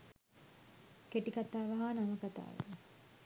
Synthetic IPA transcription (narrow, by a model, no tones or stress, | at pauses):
keʈikat̪aːʋɐɦaːnaməkat̪a̰ːʋḛ